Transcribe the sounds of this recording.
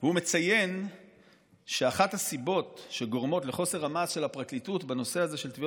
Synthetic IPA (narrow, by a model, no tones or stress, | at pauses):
veume̞t͡saje̞n | ʃe̞aχathasibo̞tʃe̞ɡo̞ʁmo̞tleχo̞se̞ʁamasʃe̞lapʁaklitutbeno̞se̞aze̞ʃe̞lt̪vi